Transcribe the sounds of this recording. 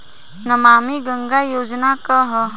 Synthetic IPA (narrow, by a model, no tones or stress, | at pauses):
nɐmaːmiɡə̃ŋɡajoːd͡ʒnakɐɦə